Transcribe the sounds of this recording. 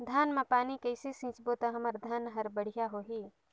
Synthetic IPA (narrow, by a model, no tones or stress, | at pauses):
d̪ʱaːnmãpaːnikɐɪsesĩːt͡ʃbot̪ɐɦɐmɐɾd̪ʱaːnɦɐɾbəɽ̤ijaɦoːɦiː